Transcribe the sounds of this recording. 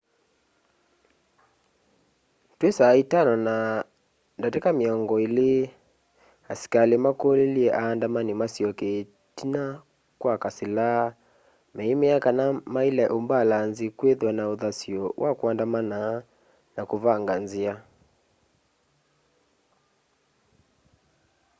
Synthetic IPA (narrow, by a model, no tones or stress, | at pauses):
twesaitanɔna | ndatɛkamiɔŋɡɔile | asi̥kalimakoleliɛʔaːndamanimasiɔke | tina | kwakasilaa | mɛimɛakanamailɛʔombalanzikweðwanauðasiɔwʔakuandamana | nakuvaŋɡanzia